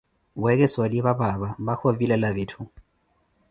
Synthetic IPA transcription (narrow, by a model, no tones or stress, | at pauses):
wɛkɛswaliβaβaβabaxovilalaβetʰu